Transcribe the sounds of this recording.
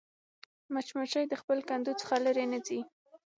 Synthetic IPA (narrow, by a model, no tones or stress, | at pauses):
mat͡ʃmaʃajd̪əxpəlkand̪ut͡sə̥xaləɾenəzi